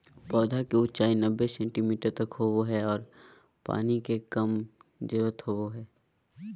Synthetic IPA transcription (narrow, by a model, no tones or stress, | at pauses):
pɔːd̪ʱakeʊt͡ʃaːinəbːesɛ̃ːɳʈimiːʈəɾt̪ɐkɦoːʋoɦɛɔːɾ | pa̰ːnikekɐmd͡ʒeːʋət̪hoʋoɦɛː